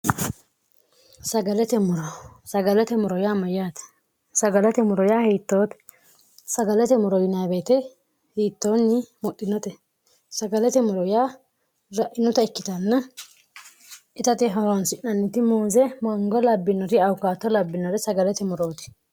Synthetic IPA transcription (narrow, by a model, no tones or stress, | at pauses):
sɐɡɐlɛt̪ɛmɔɾɔsɐɡɐlɛt̪ɛmɔɾɔjaːmɐjaːt̪ | sɐɡɐlɛt̪ɛmʊɾɔjaːhiːt̪ːoːt̪ | sɐɡɐlɛt̪ɛmɔɾɔjɪnaːbeːt̪ɛ | hiːt̪ːoːnːɪmɔɗɪnːɔt̪ɛ | sɐɡɐlɛt̪ɛmɔɾɔjaː | ɾɐʔɪnɔt̪ɐɪkːɪt̪ɐnːɐ | ɪt̪ɐt̪ɪɦɐwnsɪʔɐnːɪt̪ɪmoːzɛmɐŋɡɔlɐbːɪnɔɾɪɐwkaːt̪ːɔlɐbːɪnɔɾɛsɐɡɐlɛt̪ɛmɔɾoːt̪ɪ̥